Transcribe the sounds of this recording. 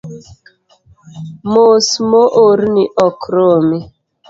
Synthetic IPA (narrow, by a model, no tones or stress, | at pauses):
mosmoʔoɾniʔɔkʰɾomi